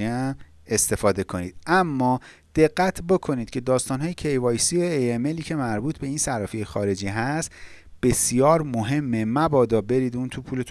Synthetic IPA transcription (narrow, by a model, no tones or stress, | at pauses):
iæm | e̞st̪e̞fɒːd̪e̞kʰo̞nḭːd̪̥̚ʔæmːɒː | d̪̥e̞ɢːæt̪ʰbo̞kʰo̞niːd̪̚cʰe̞d̪ɒːst̪ɒːnɦɒːjecʰe̞jvɒːjsioejemeliːcʰe̞mæɾbuːt̪ʰbe̞insæɾɒːfiejxɒːɾe̞d͡ʒiːɦæst̪ | b̥e̞sjɒːɾmoɦe̞mːemæbɒːd̪ɒːbe̞ɾiːd̪uːnt̪ʰupʰuːle